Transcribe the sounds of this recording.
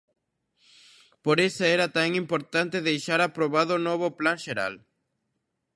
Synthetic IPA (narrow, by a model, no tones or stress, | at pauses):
poɾesaɛɾat̪aŋimpoɾt̪ant̪eðejʃaɾapɾoβaðʊnoβ̞ʊplaŋʃeɾa̰l